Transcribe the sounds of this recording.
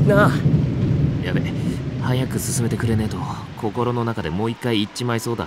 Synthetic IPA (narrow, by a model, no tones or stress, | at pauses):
na | jabe̞hajakɯ̟sɨsɨme̞t̪ekɯ̟ɾe̞ne̞t̪o̞kʰo̞ko̞ɾo̞no̞nakad̪e̞mo̞ːikːaiːt͡ɕːimaiso̞ːd̪a̰